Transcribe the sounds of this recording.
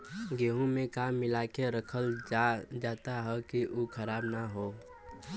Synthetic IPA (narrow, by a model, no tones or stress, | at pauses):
ɡeːɦõmẽkaːmːɪlaːkeɾəkʰəl | d͡ʒaːt̪aɦɛkiʔukʰəɾaːbnaɦoː